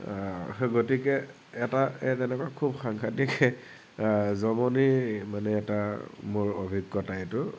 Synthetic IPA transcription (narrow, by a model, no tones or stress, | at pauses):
ɡotikɛː | taɛtɛnɛkwakʰubxaŋkʰatik | zɔmɔnimanɛːtamʊɹobʱikːɔtajtʊ